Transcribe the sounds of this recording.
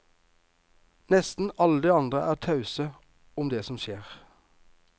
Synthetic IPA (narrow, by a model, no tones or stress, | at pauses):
nɛst̪n̩ɑləd̪eːɑnd̪ʁəʔæːʁt̪ʰɑʉsə | ʊmd̪eːsɔmʃeːʁ